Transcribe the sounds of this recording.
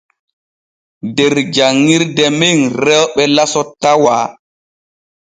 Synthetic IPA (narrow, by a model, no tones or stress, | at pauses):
deɾd͡ʒaŋːiɾdɛmeŋɾɛwɓɛlasɔtːawaː